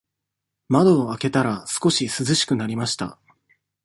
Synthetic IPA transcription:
mad̪o̞ːake̞t̪aɾasɨ̥ko̞ɕisɨzɨɕi̥kɯ̟naɾʲimaɕi̥t̪a̰

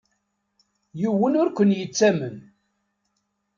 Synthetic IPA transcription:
juwːənʊɾkʷənjət͡sːæmən

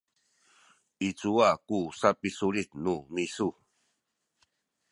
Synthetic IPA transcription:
it͡suakusapisuɾit̪numisu

